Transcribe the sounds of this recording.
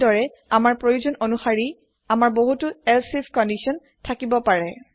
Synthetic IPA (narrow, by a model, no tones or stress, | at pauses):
dɔɹɛ | amaɹpɹojuzɔnonuxaɹi | amaɹboɦutʊɛlsifkɔndisɔn | tʰakibɔpaɹɛ